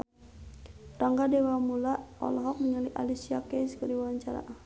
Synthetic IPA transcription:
ɾaŋɡadɛwamulaɔ̰lɦɔk̚məɲaliʔa̰lisiakɛskəɾiwaɲt͡ʃaɾa̰ʔa

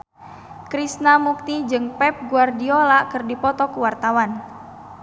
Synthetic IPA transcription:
kɾisnamuk̚t̪id͡ʒɨŋpɛp̚ɡuardiolakɨrdipɔt̪ɔkuwart̪awan

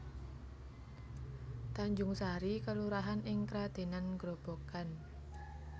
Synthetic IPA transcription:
t̪aɲd͡ʒʊŋsaɾikəluɾaɦanɪŋkɾad̪̥e̤nanɡ̥ɾob̥o̤kan

